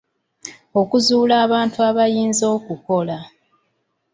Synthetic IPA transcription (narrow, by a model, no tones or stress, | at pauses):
o̞kuzuːlaːβaːntuaβajiːnzo̞ːkuko̞la